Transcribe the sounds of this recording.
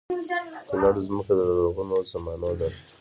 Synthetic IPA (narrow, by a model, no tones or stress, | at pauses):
kənaɽozməkad̪əɾəɾoɣunozamɑnod̪aɾ